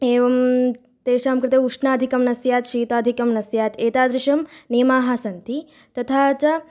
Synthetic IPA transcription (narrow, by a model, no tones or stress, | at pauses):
eːʋɐm | t̪eːʃaːmkɾɪt̪euʂnaːd̪ʱikɐmnɐsjaːt̪ʃiːt̪aːd̪ʱikɐmnɐsjaːt̪eːt̪aːd̪ɾɪʃɐmneːmaːɦasɐnt̪i | t̪ɐt̪ʰaːt͡ʃɐ